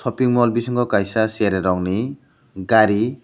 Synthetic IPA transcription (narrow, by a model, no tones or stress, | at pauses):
sɔpiŋmɔlbisɔŋkɔkajsaseɾeɾɔŋni | ɡaɾi